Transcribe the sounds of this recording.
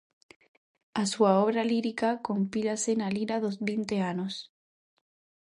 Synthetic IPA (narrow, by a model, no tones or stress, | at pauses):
asuaoβɾaliɾikakompilasenaliɾaðozβint̪eanos